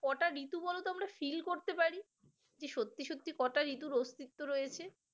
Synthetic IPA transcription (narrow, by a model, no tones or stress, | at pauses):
kɔʈaɾit̪ubɔlot̪oamɾafilkoɾt̪epaɾi | d͡ʑeʃot̪ːiʃot̪ːikɔʈaɾit̪uɾost̪it̪ːoɾojet͡ɕʰe